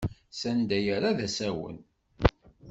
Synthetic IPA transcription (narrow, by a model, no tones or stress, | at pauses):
sænd̪æjaɾaðæsæwə̰n